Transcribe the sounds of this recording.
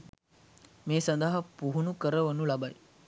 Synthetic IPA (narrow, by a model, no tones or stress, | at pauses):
meːsɐnd̪ɐɦɐpuɦunukəɾəʋənulabaj